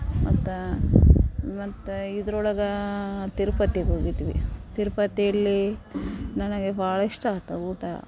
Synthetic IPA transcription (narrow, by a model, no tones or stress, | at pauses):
mɐt̪ːu | mɐt̪ːuid̪ɐɾɔɭɐɡɐt̪iɾpɐt̪ːiɡoːɡit̪iʋit̪iɾpɐt̪ːijɐlːi | nɐnɐɡebʱaːɭɐiʂʈaːt̪ɐuːʈa̰